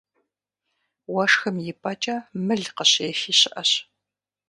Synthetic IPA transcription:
wɐʂxɐmjɪpʼɐt͡ʃʼɐmɨɮqəɕɛfiːɕɪʔɐɕ

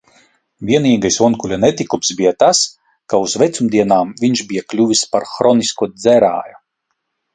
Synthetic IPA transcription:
vʲiɛniːɡajsɔnkulʲanɛt̪ikumsbijat̪as | kauzvɛt̪sumd̪iɛnaːmvʲiɲʃbʲijaklʲuvʲispaɾxɾɔniskuɔd̪zʲɛɾa̰ːju

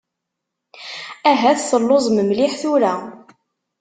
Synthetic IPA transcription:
æɦæθθəlːozˤməmlɪħθʊɾæ

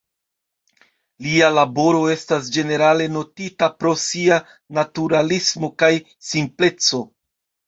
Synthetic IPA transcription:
lialabo̞ɾo̞e̞stas̬d͡ʒe̞ne̞ɾale̞no̞titapɾo̞sia | natuɾalismo̞kaj | simple̞t͡so̞

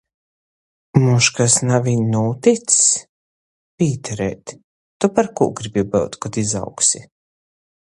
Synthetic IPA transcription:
muʃkasnavinnuːt̪it̪s | pʲiːt̪ɛɾɛ̰ːt̪ː | upaɾkṵːɡɾibʲibɛwt̪kɔt̪iza̰wksi

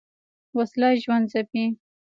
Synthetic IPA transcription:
waslɑjʒwand̪zapi

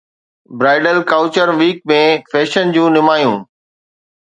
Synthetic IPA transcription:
bɾaːɪɖəlkaːʊt͡ɕəɾʋiːk̚mẽfɛːʃənd͡ʑũːnɪmaːjũː

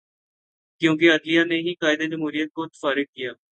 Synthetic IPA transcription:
kjõːk̬eəd̪lijaːneːɦiːkaːɪd̪eːd͡ʒəmɦuːɾijət̪̚kot̪faːɾɪk̚ːɪjaː

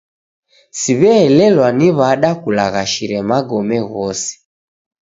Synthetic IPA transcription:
siβɛːlɛlwaniβaɗakulaɣaʃiɾɛmaɡɔmɛɣɔsi̥

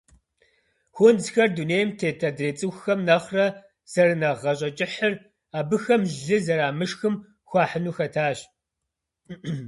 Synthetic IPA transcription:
xʷʊnzxɐrduːneːjmtʰeːtʰɐdreːt͡sʼɨxʷxɐmnɐχrɐ | z̥ɐrɨnɐʁɐɕ̬ʼɐt͡ʃʼɪħər | aːbɨxɐmɮɨzɐɾaːmɨʃxɨm | xʷɑːħənuːxɐtʰaːɕ

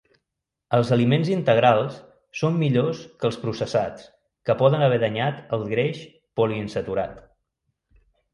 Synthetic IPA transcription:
əlˠzəlimenzint̪əɣɾalˠsː | omːiʎoskəlˠspɾusəsat͡s | kəpɔðənəβ̞ɛðəɲat̪əlˠɣɾeʃ | pɔliənsət̪uɾat̪

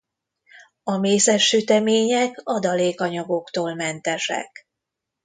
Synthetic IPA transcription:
ɒmeːsɛʃːyt̪ɛmeːɲɛkɒd̪ɒleːkɒɲɒɡo̞kt̪oːlmɛnt̪ɛʃɛ̰k

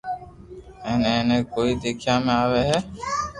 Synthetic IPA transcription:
ɛːneːneːkoːiːd̪eːkʰijãːmẽaːʋeːɦɛː

